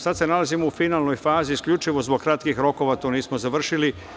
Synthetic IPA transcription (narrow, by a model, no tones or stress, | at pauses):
sad̪se̞nalazimoufinaːlˠno̞jfaːziːskʎʲut͡ʃiʋo̞zbo̞ɡ̚kɾat̪kixɾo̞ko̞ʋat̪oniːsmozaʋr̩ʃili